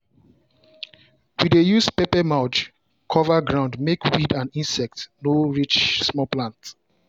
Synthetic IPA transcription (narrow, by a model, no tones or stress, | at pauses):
widejuspepɛmaʊt͡ʃ | kʰɔvaɡɹãʊ̃ndmekʰwidãnĩnsɛk̚tnoɹit͡ʃsmɔplãnt